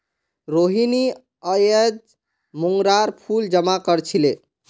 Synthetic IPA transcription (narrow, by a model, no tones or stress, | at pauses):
ɾoɦini | əjəd͡ʒ | muŋɡɾaɾpʰuld͡ʒəmakəɾt͡ʃʰile